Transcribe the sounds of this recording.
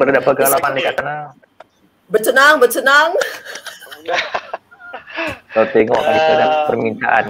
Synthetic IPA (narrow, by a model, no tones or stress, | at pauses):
bəɾadapəɡɡalamandikakəna | bərt͡ʃənaŋbərt͡ʃənaŋ | t̪ɔt̪eŋɔkadikunapərmint̪aʔa̰n